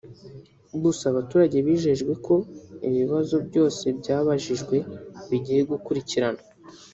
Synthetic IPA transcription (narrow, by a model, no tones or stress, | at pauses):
ɡusaβatuːɾaɟe̞βiːʒe̞ʒɡwe̞kʰo̞iβiβazo̞bɟo̞ːse̞bɟaːβaʒiʒɡwe̞βiɟije̞ɡukuɾiciɾana